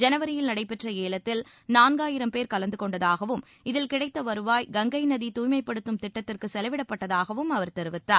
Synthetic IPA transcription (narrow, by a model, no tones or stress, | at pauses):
d͡ʒɛnɐʋɐɾɪjɪlnɐɽɐɪpːɛʈrɐeːɭɐt̪ːɪl | naːnɡaːjɪɾɐmpeːɾkɐlɐnd̪ɯkɔɳɖɐðaːɣɐʋɯm | ɪðɪlkɪɽɐɪt̪ːɐʋɐɾɯʋaːjɡɐŋɡɐɪnɐðit̪uːjmɐɪpːɐɽɯt̪ːɯmt̪ɪʈːɐt̪ːɪrkɯsɛlɐʋɪɽɐpːɐʈːɐðaːɣɐʋɯmɐʋɐɾt̪ɛɾɯʋɪt̪ːaːɾ